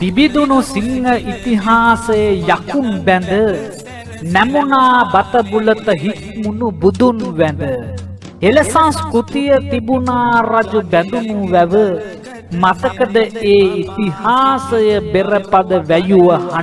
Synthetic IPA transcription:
t̪ibid̪unusiŋɡɐʔit̪iɦaːsɐjɐjakunbɛnd̪ə | nɛmunaːbɐt̪ɐbulɐt̪ɐɦik̪munubud̪unʋɛnd̪ə | elɐsãskut̪ijɐt̪ibunaːɾɐd͡ʒubɛnd̪unuʋɛʋə | mɐt̪ɐkɐd̪əeːit̪ihaːsɐjɐbeɾɐpɐd̪əʋɛjuʋɐhɐ

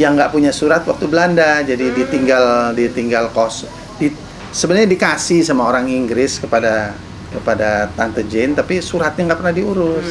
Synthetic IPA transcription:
jaŋɡaʔpuɲasuɾat̪wak̚t̪ubəlandad͡ʒadidit̪iŋɡaldit̪iŋɡalkɔs | di | səbənaɲadikasɪhsamaoɾaŋiŋɡɾɪskəpada | kəpadat̪ant̪əd͡ʒent̪apisuɾat̪̚ɲaŋɡaʔpərnahdiuɾʊs

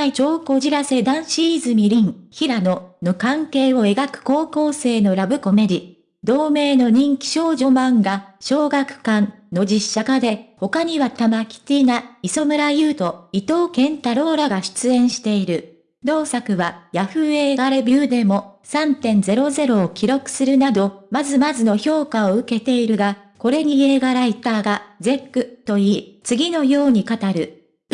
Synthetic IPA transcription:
it͡ɕo̞ːko̞ʑiɾase̞d̪ãɰ̃ɕiːzɨmʲiɾʲĩŋçiɾano̞no̞kãŋke̞ːo̞e̞ɡakɯ̟̥ko̞ːko̞ːse̞ːno̞ɾabɯ̟ko̞me̞ɾʲi | d̪o̞ːme̞ːno̞ɲ̟ĩŋkʲi̥ɕo̞ːʑo̞mãŋɡaɕo̞ːɡakɯ̟̥kãnno̞d͡ʑiɕːakad̪e̞ho̞kaɲ̟iβat̪amakʲi̥t̪ʲinaiso̞mɯ̟ɾajɯ̟ːt̪o̞it̪o̞ːkẽ̞nt̪aɾo̞ːɾaɡaɕi̥t͡sɨẽ̞ɰ̃ɕi̥t̪e̞iɾɯ̟ | d̪o̞ːsakɯ̟βajaɸɯ̟e̞ːɡaɾebʲjɨːd̪e̞mo̞sãnt̪ẽ̞nd͡ze̞ɾo̞ze̞ɾo̞ːkʲiɾo̞kɯ̟̥sɨɾɯ̟nad̪o̞mazɨmazɨno̞ço̞ːkao̞ɯ̟ke̞t̪e̞iɾɯ̟ɡa | ko̞ɾe̞ɲ̟ieːɡaɾait̪aːɡad͡ze̞kːɯ̟t̪o̞iːt͡sɨɡʲino̞jo̞ːɲ̟ikat̪aɾɯ̟

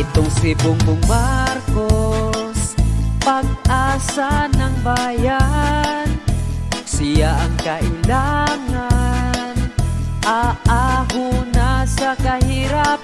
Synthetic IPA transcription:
ɪt̪ʊŋsɪbʊŋkʊŋmaɾkospaɡ̚ʔaːsanaŋbaja | nsijaʔŋkaʔɪlaŋanʔaʔaɦʊnasakahiɾap

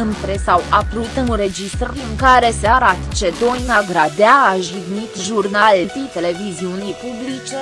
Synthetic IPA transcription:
ɨnp̪ɾesawapɾuit̪ɨnɾe̞d͡ʒist̪rɨŋkaɾe̞seaɾat̪ə̥t͡ʃe̞d̪o̞jnaɡɾad̪eaːʒiɡnit̪ʒurnallt̪it̪e̞le̞viziunijpublit͡ʃe̞

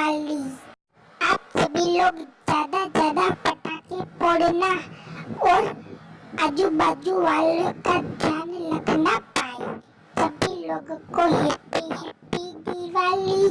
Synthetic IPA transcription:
ali | ap̚t͡ʃəbiloɡd͡ʑad̪ad͡ʑad̪apəʈakipoɽna | ɔɾ | ad͡ʒubad͡ʒuʋaləkad̪ʱanləɡnapaj | t͡ʃəbiloɡkoɦetiɦepiɡiʋali

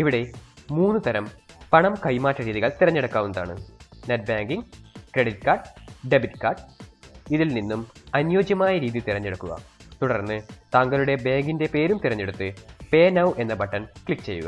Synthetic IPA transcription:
iʋiɽe̞muːnːɨt̪ɐɾɐmpɐɳɐmkɐjmaːtːɐɾiːðiɣɐɭt̪irɐɲːeɽɐkːaːʋunːɐða̰ːɳɨ̰nɐt̚bjaːŋɡiŋkɾeɽit̚kaːrɖɖebitkaːrɖ | iðilninːumɐnjo̞ːd͡ʑjɐmaːjɐɾiːðjit̪irɐɲːeɽɐkːuɣɐ̰t̪uɽɐrnːɨt̪aːŋɡɐluɽe̞be̞ːŋɡinde̞pe̞ːɾumt̪irɐɲːeɽut̪ːɨpe̞ːnɐwʔe̞nːɐbɐʈːɐnkɭikːt͡ɕe̞̰jṵɣɐ̰

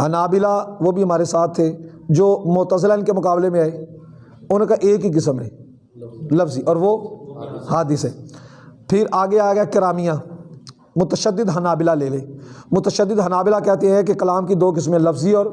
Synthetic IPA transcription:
hənaːbɪlaʋoːbʱiɦɐmaːɾesaːt̪ʰːeː | d͡ʒoːmʊːt̪əzɪlaɪnkemʊkaːblemẽɛː | ʊnkaʔeːkɦik̬ɪsəmɦɛ̰ː | ləfziʔɔːɾʋoː | haːd̪ɪsɦɛːpʰɪɾaːɡeaːɡakɪɾaːmijãː | mʊt̪əʃəd̪ːɪd̪ɦənaːbɪlaleːleːmʊt̪əʃəd̪ːɪd̪ɦənaːbɪlakɛɦt̪eɦɛ̃kekɐlaːmkid̪oːk̬ɪsmẽləfziɔːɾ

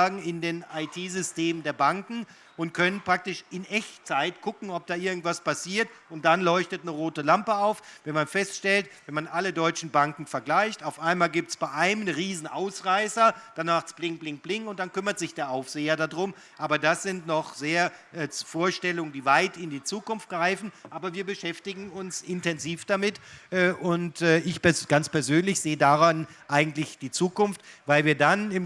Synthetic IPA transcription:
ɡŋ̩ɪndeːnaɪtʰiːzʏsteːməndeːɐbaŋkŋ̩ | ʔʊnt̚kʰœnənpʁ̥ak̚tɪʃɪnʔɛçt͡saɪtkʰʊkŋ̩ɔp̚d̥aːʔɪɐɡŋ̩tv̥aspasiːɐtʊntd̥anlɔʏçtətnəʁoːtəlampəaʊfvɛnmanfɛstʃtɛltvɛnmanʔalədɔʏt͡ʃn̩baŋkŋ̩fɛɐɡlaɪçtaʊfʔaɪnmaːlɡiːp̚tsb̥aɪʔaɪnəmnəʁiːzn̩ʔaʊsʁaɪsɐd̥anːaːχt͡sb̥lɪŋkb̥lɪŋk̚b̥lɪŋkʊnt̚d̥ankʏmɐtz̥ɪçd̥eːɐʔaʊfz̥eːɐdadʁʊm | ʔaːbɐdasz̥ɪntnɔχz̥eːɐʔɛːfoːɐʃtɛlʊŋəndiːvaɪtɪndiːt͡suːkʊnft̚ɡ̥ʁaɪfn̩ʔaːbɐviːɐbəʃɛftɪɡŋ̩ʊnsɪntɛnziːfd̥amɪtʔɛːʔʊntɛːɪçpɛɡ̥ant͡spɛɐzøːnlɪçz̥eːədaʁanʔaɪɡŋ̩tlɪçd̥iːt͡suːkʊnftvaɪlviːɐdanɪm

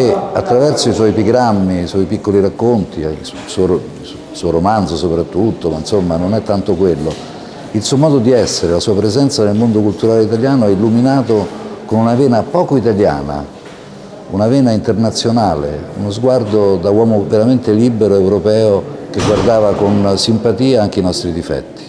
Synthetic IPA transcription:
ea̰t̪ːɾavɛrsoiswɔjpiɡɾamːiswɔjpikːoliɾakːont̪ḭ | suo | suɔoɾomanzosopɾat̪ːut̪ːomainsomːanonɛt̪ːant̪okwelːo | ilsuomɔːd̪od̪iɛsːeɾelasuːapɾezɛnt̪sanelmond̪okult̪uɾaːleit̪aljaːnoɛilːuminaːt̪okonunaveːnapɔːkoit̪alja̰ːna̰ | unaveːnaint̪ernat̪sːjonaːlḛṵnozɡward̪od̪awɔːmoveɾament̪eliːbeɾoewɾopɛːokeɡward̪aːvakonsimpat̪iːaaŋk̟einɔst̪ɾid̪ifɛ̰t̪ːi̥

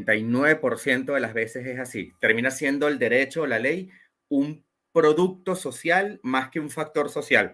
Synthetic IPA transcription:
nt̪ajnwe̞βe̞po̞ɾsje̞nt̪o̞ðe̞lazβe̞se̞sesasḭt̪e̞ɾmĩnasje̞nd̪o̞eld̪e̞ɾe̞t͡ʃo̞ːlale̞j | um | pɾo̞ðuk̚t̪o̞so̞sjalmaske̞uɱfak̚t̪o̞ɾso̞sjal

